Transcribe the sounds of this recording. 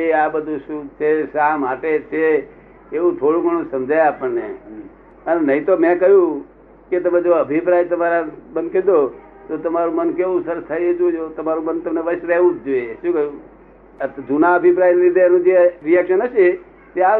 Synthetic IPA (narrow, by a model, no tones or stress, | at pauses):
eabəd̪ʱũʃũt͡ʃʰeʃamaʈet͡ʃʰeː | ʋũt̪ʰoɽũɡʱəɳ̃ũsəmd͡ʒajapəɳne | ənnəɦĩt̪omɛ̃kəɦjũ | ket̪əmẽd͡ʒoəbʱipɾajt̪əmaɾamənked̪o | t̪ot̪əmaɾũmənkeʋũsəɾst̪ʰajed͡ʒud͡ʒot̪əmaɾũmənt̪əmneʋəʃɾɛɦʋũd͡ʒoeʃũkəɦjũ | d͡ʒunaəbʱipɾainɾid̪ʱenũd͡ʒeɾijɛkʃənɦəʃe | t̪ea